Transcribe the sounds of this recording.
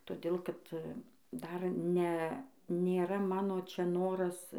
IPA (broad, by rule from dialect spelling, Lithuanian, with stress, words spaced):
toːˈdʲeːlˠ ˈkɐt ˈdɐr ˈnʲɛ nʲeːˈrɐ ˈmɑːnoː ˈt͡ʃʲɛ ˈnoːrɐs